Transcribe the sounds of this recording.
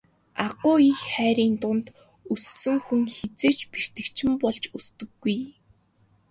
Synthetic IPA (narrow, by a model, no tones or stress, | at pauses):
aɢʊːixχæːɾiːnt̪ʊnt̪ | usːɘ̆ŋxuŋxet͡seːt͡ɕper̥t̪ɘ̆kt͡ɕʰɪ̆mpɔɮt͡ɕust̪ɘ̆ɡːuj